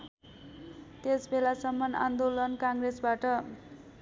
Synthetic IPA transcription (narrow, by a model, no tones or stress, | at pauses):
t̪esbelasʌmːʌna̰nd̪olʌnkaŋɡresbaʈʌ